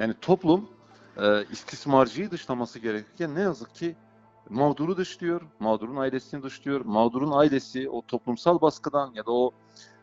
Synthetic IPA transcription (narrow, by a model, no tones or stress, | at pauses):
jaːnit̪ʰo̞plˠum | ɛːist̪ʰismaɾd͡ʒɯjɯd̪ɯʃlˠamasɯɟeɾɛcʰycʰænːejazɯkcʰi | mavd̪uɾud̪ɯʃlˠɯjo̞ɾmaːd̪uɾunailʲe̞sinid̪ɯʃlˠɯjo̞ɾmavd̪uɾunailʲe̞siot̪ʰo̞plˠumsalˠbaskɯd̪anjad̪ao̞